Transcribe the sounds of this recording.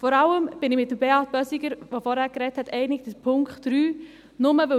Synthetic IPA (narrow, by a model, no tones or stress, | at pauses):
fɔɾɑləmb̥ɪnɪmɪt̚ːəbeɑːt̚b̥œsiɡəɾʋofɔɾhæːɾkɾɛthɛtʰɛɪnɪk̚dəpʰʊŋkχtɾyː | nʊməʋɵ